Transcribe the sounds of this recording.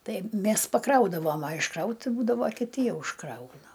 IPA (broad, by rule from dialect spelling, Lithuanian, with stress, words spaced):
ˈtɐɪ ˈmʲɛs pɐˈkrɐʊdɐʋoːm ɐ ɪʃˈkrɐʊt ˈbuːdɐʋoː kʲɪˈtʲɪ ˈjɛʊ ɪʃˈkrɐʊnɐ